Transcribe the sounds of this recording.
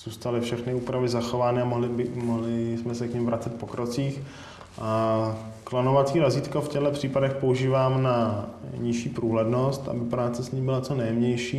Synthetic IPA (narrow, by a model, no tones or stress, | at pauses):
z̥uːst̪alɪfʃɛxnɪuːpɾavɪzaxovaːnɛamoɦlɪbɪmoɦlɪsmɛsɛkɲɪmvɾat͡sɛt̪̚po̞kɾot͡siːx | ʔa | klanovat͡siːɾaziːt̪kofcɛɦlɛpr̝̥iːpadɛxpo̞uʒiːvaːmnaɲɪʃiːpɾuːɦlɛdno̞st̪ʔa̰bɪpɾaːt͡sɛsɲimbɪlat͡sonɛjɛmɲɛjʃiː